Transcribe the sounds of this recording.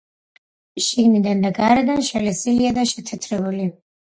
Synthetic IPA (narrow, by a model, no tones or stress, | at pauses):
ʃiɡnid̪and̪aɡaɾɛd̪anʃɛlɛsiliad̪aʃɛt̪ʰɛt̪ʰɾɛbuli